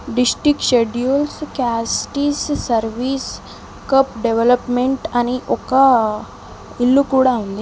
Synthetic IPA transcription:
ɖisʈɾikɕeɖjulskæsʈisːəɾʋiːs | kəpɖeʋeləpmeɳʈaniʔoka | ilːukuɽaũnd̪i

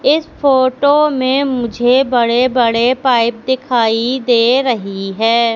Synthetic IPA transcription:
ɪsfoːʈomẽmʊd͡ʒʱebɐɽebɐɽepaːɪp̚d̪ɪkʰaːid̪eːɾɐɦiɦɛː

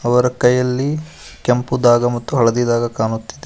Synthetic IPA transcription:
ɐʋɐɾɐkɐjɐlːi | kempud̪aːɡɐmɐt̪ːuɦɐɭɐd̪id̪aːɡɐkaːnut̪ːid̪e

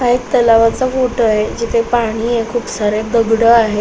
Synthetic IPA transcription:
aek̚t̪əlaʋat͡safoʈəɦed͡ʑit̪ʰepaɽ̃iːekʰuːpsaɾed̪əɡɽəaɦe

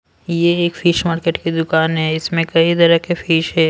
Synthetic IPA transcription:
jeeːkfiːʃmaːɾkeːʈkid̪ʊkaːnɦɛɪsmẽkɐid̪ɐɾəkefiːʃɦɛː

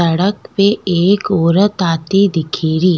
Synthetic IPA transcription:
ɐɽəkpeeːkoːɾət̪aːt̪id̪ɪkʰiːɾiː

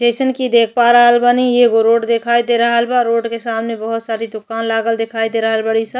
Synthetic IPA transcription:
d͡ʒesənkid̪ekʰpaɾəɦəlbənieɡoɾoʈd̪ekʰajd̪eɾəɦəlbaɾoɖkesamnebəɦut̪saɾid̪ʊkanlaɡəld̪ekʰajd̪eɾəɦəlbəɽisə

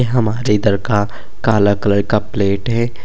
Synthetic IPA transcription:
eɦɐmaːɾeɪd̪əɾka | kaːlakələɾkapleːʈɦɛː

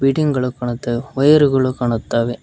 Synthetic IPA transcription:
biʈɪŋɡɐɭokːɐɳɐt̪ːɐɔjɐɾɯɣɐɭokɐɳɐt̪ːaːʋe

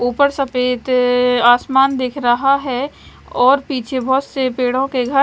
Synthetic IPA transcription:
uːpəɾsɐpeːt̪aːsmaːnd̪eːkʰɾɐɦaɦɛ | ɔːɾpiːt͡ʃʰebʱɔɦt̪sepeːɽ̤õkeɡʱə

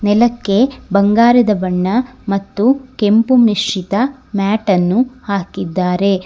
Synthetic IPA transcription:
nɛlɐkːebɐŋɡaːɾɐd̪ɐbɐɳːɐmɐt̪ːuke̞mpumiʂit̪ɐmaːʈɐnːuhaːkid̪ːaːɾe̞

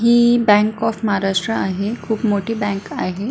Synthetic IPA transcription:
ɦiːbɛ̃ŋkɔfməɦaɾaʂʈɾəaɦekʰuːpmoʈʰiːbɛ̃ŋkaɦe

